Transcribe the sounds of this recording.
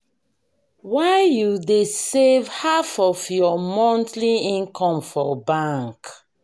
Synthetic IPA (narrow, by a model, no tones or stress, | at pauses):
waɪjudesevhafɔvjɔmɔ̃ntliĩnkʰɔ̃mfɔbãŋk